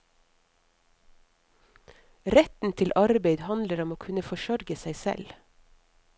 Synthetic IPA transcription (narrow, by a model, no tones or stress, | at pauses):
ɾɛt̪n̩t̪ʰɪlʔɑɾbeɪd̪hɑnd̪ləɾɔmoːkʰʉnəfɔʃœɾɡəsæɪsɛ̰l